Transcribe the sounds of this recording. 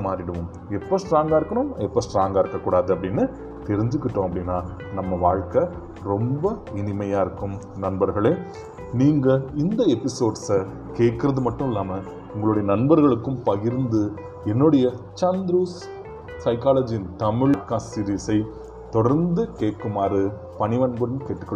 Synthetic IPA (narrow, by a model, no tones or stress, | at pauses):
maːɾɪɽɐʋʊ̃m | ɛpːoːsʈɾaːŋɡaːɪɾɯkːɐɳʊmɛpːɐːsʈɾaːŋɡaːɪɾɯkːɐkːuːɽaːðɯɐpːɐɽɪnːɯ | t̪ɛɾɪɲd͡ʒɯkːɪʈːõːɐpːɐɽɪnːaː | nɐmːɐʋaːɻkɐ | ɾɔmbɐɪnɪmɐjaːɪɾɯkːɯm | nɐnbɐɾɣɐɭeː | niːŋɡɐɪnd̪ɐɛpːɪsoːɖsɐ | keːʈ̚kɪɾɐðɯmɐʈːɯ̃mɪlːaːmɐ | ʊŋɡɐɭuːɽɐjɐnɐnbɐɾɣɐɭɯkːɯmpɐɣɪɾnd̪ɯ | ɛnːʊɽɐjɐ | t͡ʃand̪ɾuːs | sɐɪkaːlɐd͡ʒɪnt̪ɐmɪɭkasiɾisɐɪ | t̪ɔɽɐɾnd̪ɯkeːʈkːɯmaːɾɯ | pɐnɪʋɐnbɯɽɐnkeːʈːɯkːɐ